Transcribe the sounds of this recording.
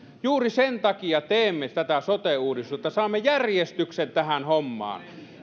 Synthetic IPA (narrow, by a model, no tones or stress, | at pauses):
juːrisent̪ɑkijɑt̪eːmːet̪æt̪æsot̪euːdist̪uet̪ːɑsɑːmːejærjest̪yksent̪æhænhomːɑ̰ːn